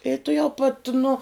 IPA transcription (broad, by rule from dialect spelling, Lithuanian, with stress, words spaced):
ɪ tʊˈjɛʊ pɐt nʊ